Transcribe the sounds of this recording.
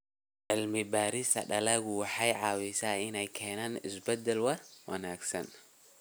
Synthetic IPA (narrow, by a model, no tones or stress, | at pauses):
ʕɪlmɪbaːɾɪsɐ̰ɖɐlɐɣʊwɑħɑjʕɑːwɪsaːɪnɛjkʰɛːnaːnɪsbɛd̪ɛlwɐrwɐ̰naːɡsɐ̰n